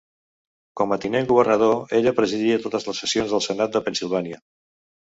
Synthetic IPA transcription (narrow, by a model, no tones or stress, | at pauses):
kɔmət̪ineŋɡuβərnəð̞oeʎəpɾəziðiət̪ot̪əzləsːəsionzðəlˠsənat̪̚d̪əpənsilˠβ̞aniə